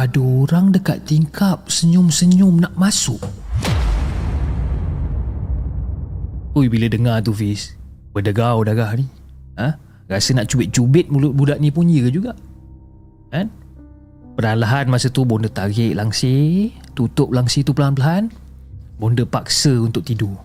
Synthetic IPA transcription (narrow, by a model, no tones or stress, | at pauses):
adəoɾaŋdəka̰t̪ːiŋkʰap̚səɲʊmsəɲʊmnaʔmasʊʔ | t̪uibilədəŋat̪ufis | bədəɡawdaɡahni | ə̃ | rasənaʔt͡ʃubɪt̪̚t͡ʃubɪt̪̚mulʊt̪̚budaʔnipuɲikəd͡ʒuɡaʔ | kan | pənanlaɦanmasət̪ubɔndət̪aɡɪʔlaŋset̪ut̪ʊp̚laŋsit̪upəlaɦanpəlaɦan | bondəpak̚səunt̪ʊk̚t̪idu